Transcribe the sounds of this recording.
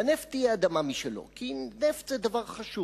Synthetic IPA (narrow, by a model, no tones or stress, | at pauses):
aneft͡sijɛad̪amamiʃelo̞̰kineft͡sɛd̪avaʁχaʃu